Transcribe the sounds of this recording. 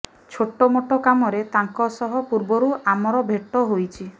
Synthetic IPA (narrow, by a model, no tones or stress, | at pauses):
t͡ʃʰoʈomoʈɔkamɔɾet̪aŋkɔsɔɦɔpuɾbɔɾuʔamɔɾɔbʱeʈːɔɦojt͡ʃʰi